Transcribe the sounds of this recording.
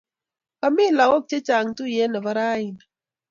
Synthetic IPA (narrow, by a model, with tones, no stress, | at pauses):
ka˨mi˦˨la˨ɣo˦k̚t͡ʃe˦t͡ʃa˨ŋ˨tu˦jɛ˦nə˨βa˦ɾa˦i˨na˨